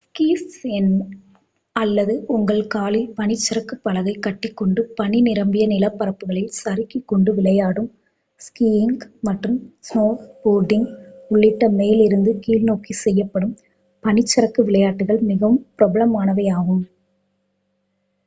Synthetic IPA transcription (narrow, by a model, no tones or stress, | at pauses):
skiːssɛn | ɐlːɐðɯʊŋɡɐɭkaːlɪlpɐnɪt͡ʃːɪɾɐkːɯpːɐlɐɣɐɪkːɐʈːɪkːɔɳɖɯpɐninɪɾɐmbɪjɐnɪlɐpːɐɾɐpːɯɣɐɭɪlsɐɾɪkːikːɔɳɖɯʋɪɭɐjaːɽɯm | skiːɪŋɡmɐʈrɯmsnoːboːɖɪŋɡʊɭːɪʈːɐmeːlɪɾɯnd̪ɯkiːlnoːkisɛjːɐpːɐɽɯm | pɐnɪt͡ʃːɪɾɐkːɯʋɪɭɐjaːʈːɯɣɐɭmɪɣɐʋɯmpɪɾɔbɐlɐmaːnɐʋɐjaːɣɯm